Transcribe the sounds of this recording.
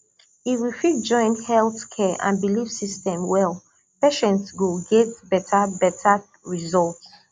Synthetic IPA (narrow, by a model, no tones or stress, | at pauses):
hiwifit̚d͡ʒɔ̃ɪ̃nhɛlˠθkʰɛʔã̰nbilifsistɛ̃mwɛlˠ | peʃɛ̃ntsɡoɡɛtbɛtʰabɛtʰa | ɹizɔlˠts